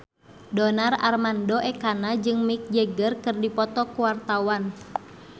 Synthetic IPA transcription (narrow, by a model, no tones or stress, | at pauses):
dɔnara̰rmandɔʔɛkanad͡ʒɨŋmik̚d͡ʒəɡərkɨrdipɔt̪ɔkuwart̪awan